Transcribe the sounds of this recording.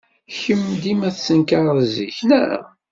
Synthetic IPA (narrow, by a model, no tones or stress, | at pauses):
çəmːd̪imæθsənkaɾˤzḭçnæ